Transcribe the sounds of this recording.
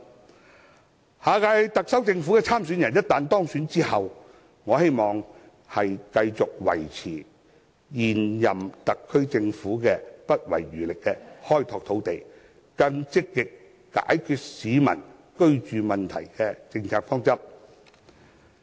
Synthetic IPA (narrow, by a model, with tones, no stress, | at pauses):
haː˨˧kaː˧jt̪ɐ˨k̚sɐ˥wt͡sɪ˧ŋfuː˨˥kɛː˧t͡sʰaː˥msyː˨˥njɐ˨˩njɐ˥t̚t̪aː˨nt̪ɔː˥ŋsyː˨˥nt͡siː˥hɐ˨w | ŋɔː˨˧he˥jmɔː˨ŋ | hɐ˨jkɐ˧jt͡sʊ˨k̚wɐ̰˨˩jt͡sʰiː˨˩ | jiː˨˩njɐ˨mt̪ɐ˨kʰːɵ˥ɥt͡sɪ˧ŋfuː˨˥kɛː˧pɐ˥t̚wɐ̰˨˩jːyː˨˩lɪ˨kːɛː˧hɔː˥jt̪ʰɔː˧k̚t̪ʰo˨˥wt̪e˨j | kɐ˧ŋt͡sɪ˥kːɪ˨kː | a̰ː˨˥jkʰyː˧t̚siː˨˧mɐ̰˨˩n | kɵ˥ɥt͡ʃyː˨mɐ˨nt̪ʰɐ̰˨˩jkɛː˧t͡sɪ˧ŋt͡sʰaː˧k̚fɔː˥ŋt͡sɐ˥p̚